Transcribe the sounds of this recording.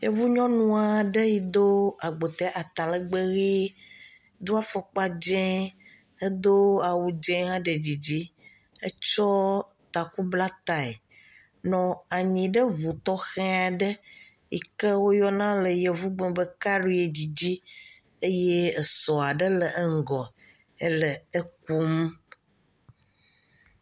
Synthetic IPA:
jɛ˨vu˦ɲɔ̃˦nũ˦a˨ɖə˦ji˨d̪o˦a˨ɡ͡bo˨t̪ɛ˦ʔa˨t̪a˨lə˨ɡ͡be˦ɣi˦ | d̪o˦a˦fɔ˨k͡pa˦d͡ʒɛ̃˦ | e˦d̪o˦a˨wu˨d͡ʒɛ̃˦ɦã˦ɖe˨d͡ʑi˨d͡ʑi˦ | ə̰˦t͡ʃɔ˦ | t̪a˨ku˦bla˦t̪a˨ḛ˨ | nɔ̃˨a˨ɲĩ˨ɖə˦βu˨t̪ɔ˦xɛ̃˦a˨ɖə˦ | i˨kə˦wo˦jɔ˦nã˦lə˨jɛ˨vu˦ɡ͡bẽ˨bə˦ka˦ɾi˦e˨d͡ʑi˨d͡ʑi˦ | e˦je˦ɛ˨sɔ˨a˨ɖə˦lə˨ʔə˦ŋ̩˨ɡɔ˨ | e˦lə˨ə˦k̚u˦m˦

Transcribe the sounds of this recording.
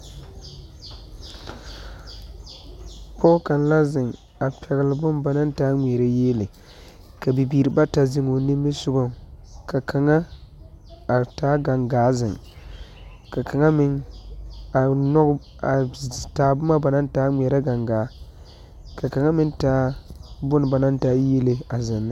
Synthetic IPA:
pʰɔ˦ka˨n˦la˦zɪ˨ŋ | a˨pɛ˨ɣɪ˨lɪ˨bʊ˦mba˨na˦n˦taː˨˦ŋ͡mʷɛ˨ɛ˨ɾa˨jeː˦lɨ˨ | ka˨bi˨biː˨ɾɪ˨˦ba˦ta˨zɪ˦ŋo˨nɪ˦mːɪ˦sʊ˦ɡo˦ka˨kʰa˨ŋa˦ | a˨taː˦ɡa˨ŋɡaː˨˦zɪ˨ŋ | ka˨ka˨ŋa˦mɪ˦ŋ | a˨nɔ˦ɡ | a˨taː˨bʊ˦ma˦ba˨na˦n˦taː˨˦mʷɛ˨ɾa˦ɡa˨ŋɡaː˨˦ | ka˨ka˨ŋa˦mɪ˦ntaː˦bʊ˦nɨ˨ba˨na˦ntaː˦je˦le˦a˨zɪ˨nːa˦

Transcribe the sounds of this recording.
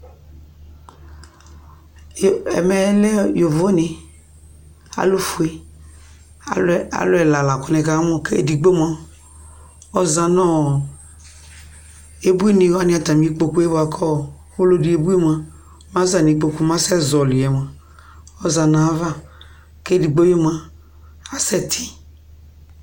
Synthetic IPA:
ɛ̰˨mɛ˨˦lɛ˦jo˨vo˦ni˨ | a̰˨lo˦fu˨e˦˨ | a̰˨lo˦ɛ˨la˨la˨kɔ˦nɛ˨ɡa˨˦m˦ɔ˦kḛ˦˨di˨ɡ͡bo˦m˨a˨ | ɔ˦za˨nɔ˦˨ | e˨bu˦i˦nĩ˨wa˦nĩ˦a˨ta˨m˨i˦k͡po˨ku˦e˦ba˨kʰɔ˦˨ | o˦lo˦di˨e˨bu˦e˦m˨a˨ | mã˦za˨ni˨˦k͡po˨ku˦mã˦sɛ˦zɔ˨li˨ɛ˨m˨a˨ | ɔ˦za˨na˨˦va˦˨ | ke˦di˨ɡ͡bo˦je˦m˨a˦ | a˨sɛ˦tʰi̥˦

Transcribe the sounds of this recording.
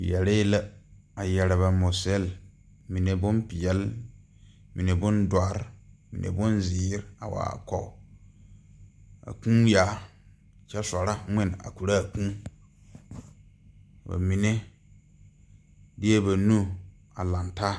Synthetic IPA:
jɛ˨ɾe˦la˦ | a˨jɛ˨ɾa˨ba˨mo˨sɛ˦˨l | mĩ˨nɪ̃˦bʊ̃˦npi˨ɛ˨˦l | mĩ˨nẽ˨bʊ̃˦ndwa˨˦ɾmĩ˨nḛ̃˨bʊ̃˦nziː˨˦ɾa̰˨wa̰˨kʰɔ˨ | a̰˨kũ˦jaː˨˦ | t͡ʃɛ˦sa˨ɾa˦mɪ̃˦n˨a̰˨ku˨ɾa˦˨kũ˦ | ba̰˨mĩ˨nẽ˦ | dɪ˦ɛ˦bɛ˨nũ˦ | a˨lã˨ntʰa˦

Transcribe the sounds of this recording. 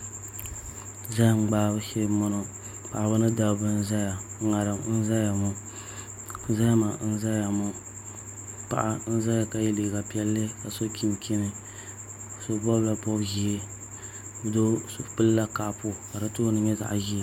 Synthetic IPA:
za˦jŋ͡m̩˨ɡ͡baː˦bɨ˦ʃɛ˦bmʊ˦no˨ | pa˨ʔa˨bɨ˦nɨ˦da˨bɨ˦n˦za˦ja˨˦ŋa˨ɾɨ˨mn̩˦za˦ja˨mʊ˦ | za˦ja˦ma˨n̩˦za˦ja˨mʊ˦ | pa̰˨ʔa˨n̩˦za˦ja˨ka˨jɛ˦liː˨ɡa˨pi˦ɛ˦lːɨ˦ka˨so˦kʲi˦mkʰʲi˦nɨ˨ | so˦bɔ˦bla˨pɔ˦bʒi˦e˦ | bɨ˨˦do˦sʊ˨˦k͡pɨ˦lla˦ka˦ʔpʊ˦ka˨ɾɨ˦toː˦nɨ˨ɲɛ˦za̰˨ʔʒi˦e˨

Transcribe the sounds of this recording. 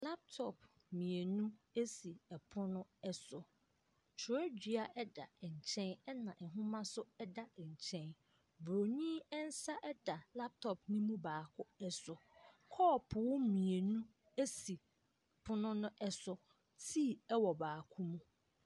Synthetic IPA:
la˦p̚tʰɔ˨pʰ | mĩ˨e˨nũ˦e˦si˨ɛ˨pʰʊ˦nʊ̃˦ɛ˦sʊ˨ | t͡ɕʰʊ˨ɾe˦d͡ʑi˨a˨ʔɛ˦da̰˨ɛ˨ɲ̩˨t͡ɕʰɛ̃˦nɛ˦nã˨ʔɛ˨ɦʊ̃˦mã˦sʊ˦ɛ˦da˨ɛ˨ɲ̩˨t͡ɕʰɛ̃˦n | bɾo˨ɲĩː˦ɛ˦n̩˦sa˦ʔɛ˦da˨la˦p̚tʰɔ˨pnĩ˦mũ˦baː˨kʰʊ˦ɛ˦sʊ˨ | kʰɔː˦˨pʰʊ˨wʊ˦mĩ˨e˨nũ˦ | e˦si˨ | ɛ˨pʰʊ˦nʊ̃˦nʊ̃˦ʔɛ˦sʊ˨ | tʰi˦˨ɛ˦wɔ˨baː˨kʰʊ˦mũ˦

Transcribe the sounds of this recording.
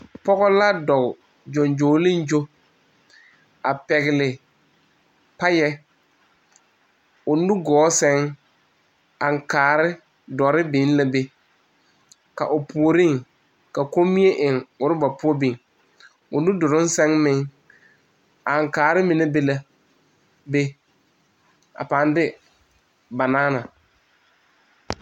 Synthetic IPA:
pɔ˦ɣɔ˦la˦dɔ˨ɡ | d͡ʒo˨nd͡ʒoː˨˦lɪ˦n˦d͡ʒo˦ | a˨pɛ˨ɣɪ˨lɪ˨ | pa˦jɛ˦ | ʊ˨nʊ˦ɡɔː˨˦sɛ˦ŋ | a˨ŋ˨kaː˨ɾɪ˦ | dɔ˨ɾɪ˦bɪ˨˦n˦la˦be˦ | ka̰˨ʔʊ˨pʰʊ˨o˨ɾi˦˨ŋ | ka˨ko˦mː˦i˦e˦ʔɪ˨ŋʊ˨ɾɪ˦ba˨pʊ˦o˦bi˨ŋ | ʊ˨nʊ˦dʊ˨ɾɪ̃˦n˦sɛ˦ŋmɪ˦ŋ | a˨ŋ˨kaː˨ɾɪ˦mi˨ne˦be˦la˦ | be˦ | a̰˨pa˨˦n˦dɪ˦ | ba˨naː˦na˨

